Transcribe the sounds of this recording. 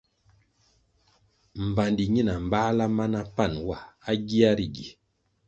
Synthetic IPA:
m̩˨ba˨ndi˨ɲi˦na˨m̩˨ba˦la˦ma˦na˦pa˦˨nwa˦˨a˦ɡi˦a˦ɾi˨ɡi˨

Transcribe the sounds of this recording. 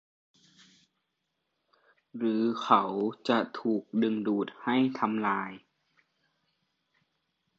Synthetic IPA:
ɾɯː˩˦kʰa˨˦wt͡ɕa˧˩t̪ʰuː˨˩k̚dɯ˧ŋduː˨˩t̪̚ha˥˩jt̪ʰa˧mlaː˧j

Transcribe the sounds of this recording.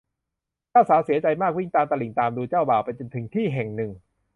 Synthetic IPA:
t͡ɕaː˥˩wsaː˩˦wsi˩˦ɐt͡ɕa˧jmaː˥˩k̚wi˥˩ŋt̪aː˧mt̪a˧li˨˩˦ŋt̪aː˧mduː˧t͡ɕaː˥˩wbaː˨˩wpa˧jt͡ɕo˧nt̪ʰɯ˨˩˦ŋt̪ʰiː˥˩ɦɛ˨˩ŋnɯ˨˩ŋ

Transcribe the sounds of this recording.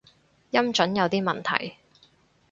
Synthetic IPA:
jɐ˥mt͡ʃɵ˨˥njɐ˨˧wt̪iː˥mɐ˨nt̪ʰɐ̰˨˩j

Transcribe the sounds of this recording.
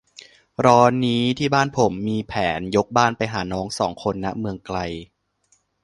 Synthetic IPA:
ɾɔː˧niː˦˥t̪ʰiː˥˩baː˥˩npʰo˩˦mːiː˧pʰɛː˩˦njo˦˥k̚baː˥˩npa˧jɦa̰ː˩˦nɔː˦˥ŋsɔ̰ː˩˦ŋkʰo˧nːa˦˥ʔmɯ˧əŋkla˧j

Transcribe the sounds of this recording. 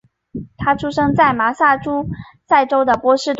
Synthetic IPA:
t̪ʰa˥ʈ͡ʂʰu˥ʂɤ˥ŋt͡sa˥˩ɪma˧˥sa˥˩ʈ͡ʂu˥ | t͡sa˥˩ɪʈ͡ʂo˥ʊd̪ə˨pwɔ˥ʂɻ̩˥˧t̪

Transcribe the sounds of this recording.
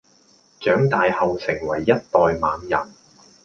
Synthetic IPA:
t͡ʃœː˨˥ŋt̪aː˨˧jhɐ˨wsɪ˨˩ŋwɐ˨˩jːɐ˥t̚t̪ɔː˨jmaː˨˧njɐ̰˨˩n

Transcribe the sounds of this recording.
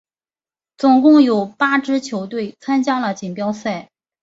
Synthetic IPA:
t͡sʊ˨˩ŋkʊ˥˩ŋjo˨˩ʊpa˥ʈ͡ʂɻ̩˥t͡ɕʰjo˧˥ʊt̪we˥˩ɪt͡sʰa˥nt͡ɕja˥lə˨t͡ɕi˨˩npjɑ˥ʊsa˥˩ɪ

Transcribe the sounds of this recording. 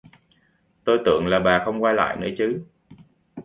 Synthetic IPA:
t̪o˧jt̪ɨ̰˧˨əŋlaː˨˩ɓaː˨˩xə˧wŋ͡mkwaː˧jla̰ː˧˨jnɨ̰˧˥ət͡ɕɨ˨˦

